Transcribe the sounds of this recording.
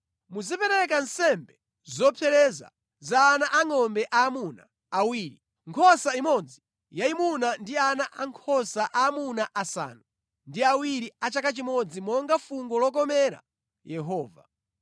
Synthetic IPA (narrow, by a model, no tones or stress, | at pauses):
muzipɛɾɛkan̩sɛmbɛ | zɔpʰɛɾɛza̰ | zaːnaʔaŋɔmbɛʔaːmuna̰ː | wiːɾi | ŋkʰɔsaimɔd͡zi | jaimunandianaʔaŋkʰɔsaʔaːmunaʔasa̰ːnu | ndiawiɾiat͡ʃakat͡ʃimɔd͡zimɔŋɡafuŋɡɔlɔk̬ɔmɛɾa̰ | jɛɦɔːva̰